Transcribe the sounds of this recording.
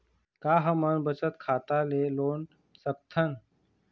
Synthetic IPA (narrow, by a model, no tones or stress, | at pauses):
kaːɦəmənbət͡ʃət̪kʰaːt̪aleloːn | sək̚t̪ʰən